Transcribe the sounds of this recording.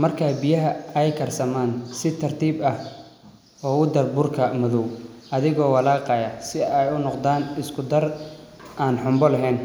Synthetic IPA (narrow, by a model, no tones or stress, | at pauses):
mɐrkʰaːbɪjɐɦɐɛjkʰɐrsɐmaːnsɪt̪ʰɐrt̪ʰiːbɐh | ɔːʊd̪ɐrbʊrkʰɐmʊðɔwʔɐðɪɣɔːwɐlaːqɑjɐsɪɛjʊnɔqd̪aːnɪskʰʊd̪ɐr | aːnħʊmbɔlɐɦɛːn